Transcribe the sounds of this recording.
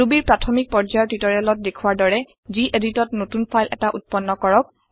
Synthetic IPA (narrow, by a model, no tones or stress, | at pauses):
ubiɹpɹatʰɔmik̚pɔɹd͡ʒajɔtitɔɹialɔt̚dekʰuwaɹdɔɹɛ | ziʔeditɔtnotunpʰajlʔɛ̰taʔut̚pɔnːɔkɔɹɔk̚